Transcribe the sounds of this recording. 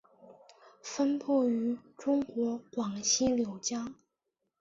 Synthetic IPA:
fə˥npʰɔ˥˩y˧˥ʈ͡ʂʊ˥ŋkwɔ˧˥kwɑ˨˩ŋɕi˥ljo˧˩ʊt͡ɕja˥

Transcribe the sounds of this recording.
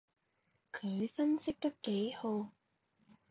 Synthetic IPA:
kʰɵ˨˧ɥfɐ˥nsɪ˥k̚t̪ɐ˥kːe˨˥jho˨˧w

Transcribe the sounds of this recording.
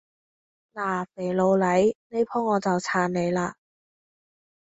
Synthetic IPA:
naː˨˩fe˨˩jlo˨˧wlɐ˨˥jne˥jpʰɔː˥ŋːɔː˨˧t͡sɐ˨wt͡sʰaː˨˧nne˨˧jlaː˧

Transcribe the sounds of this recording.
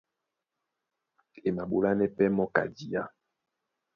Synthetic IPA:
e˨ma˨ɓo˦la˦nɛ˦pɛ˦mɔ˦ka̰˨di˨a˦

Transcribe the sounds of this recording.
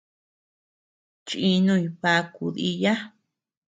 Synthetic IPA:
t͡ʃi˧nũ˦˧i˧˨βa˧ku˧ði˧ja˦

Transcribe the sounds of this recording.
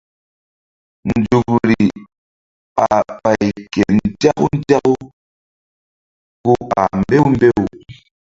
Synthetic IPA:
n̩˨d͡ʒu˨kɾi˨ | a˨pa˨jkɛ˨n˨d͡ʒa˦ku˦n̩˦d͡ʒa˦ku˦ | ko˦a̰˨m˦be˦wm˦be˦u˨

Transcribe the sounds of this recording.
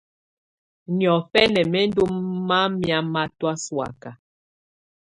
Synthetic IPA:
njɔ˨fɛ˦nɛ˨mɛ˦n˦do˦mːa˦mja˦ma˦twa˦swa̰˨ka˨

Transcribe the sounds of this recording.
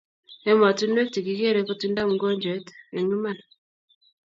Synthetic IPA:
e˦ma˨ti˦nwe˦kti˨ɡi˨ke˦ɾe˦ko˦ti˦nda˦mu˨ɡo˦ɲd͡ʒe˨˦te˨ɲu˦ma˦na

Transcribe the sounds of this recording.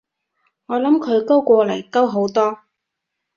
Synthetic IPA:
ŋɔː˨˧lɐ˨˥mkʰɵ˨˧ɥko˥wkʷɔː˧lɐ˨˩jkɐ˥wɦo˨˥wt̪ɔː˥

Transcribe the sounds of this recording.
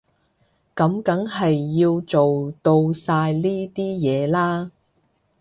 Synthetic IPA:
kɐ˨˥mkɐ˨˥ŋɦɐ˨jːiː˧wt͡so˨wt̪o˧wsaː˧jliː˥t̪iː˥jɛː˨˧laː˥

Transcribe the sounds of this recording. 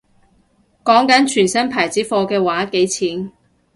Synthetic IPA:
kɔː˨˥ŋkɐ˨˥nt͡ʃʰyː˨˩nsɐ˥npʰaː˨˩jt͡siː˨˥fɔː˧kɛː˧waː˨˥ke˨˥jt͡sʰiː˨˥n

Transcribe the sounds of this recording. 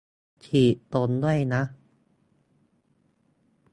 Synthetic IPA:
t͡ɕʰiː˨˩t̪o˧˩ndu˥˩əjna˦˥ʔ

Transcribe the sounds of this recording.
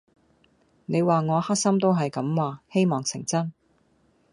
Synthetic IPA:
ne˨˧jwaː˨ŋɔː˨˧haː˥k̚sɐ˥mt̪o˥wɦɐ˨jkɐ˨˧˥mwaː˨he˥jmɔː˨ŋsʰɪ˨˩ŋt͡sɐ˥n

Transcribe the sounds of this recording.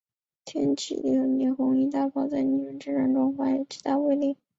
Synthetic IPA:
t̪ʰjɛ̰˥nt͡ɕʰḭ˨˩lḭ˥˩xə˧˩njɛ˧˥xʊ˧˥ŋi˧˥t̪a˥˧fɑ˥˩ʊt͡sa˥˩ɪni˧˩ʈ͡ʂə˧˥nʈ͡ʂɻ̩˥ʈ͡ʂa˥nʈ͡ʂʊ˥˧ŋxwa˥jɛ˨˩t͡ɕʰi˧˥t̪a˥˧we˥˧ɪli˥˩

